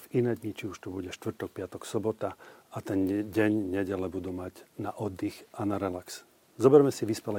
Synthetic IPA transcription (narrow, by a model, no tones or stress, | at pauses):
vinɛːd̪ɲit͡ʃiuʃt̪ubuɟɛʃt̪ʋr̩t̪ɔk̚pɪat̪ɔksɔbɔt̪aat̪ɛnɟɛɲɲɛɟɛlɛbud̪umaɟnaʔɔd̪ːixanaɾɛlaks | zɔbɛɾmɛsiʋispɛlɛ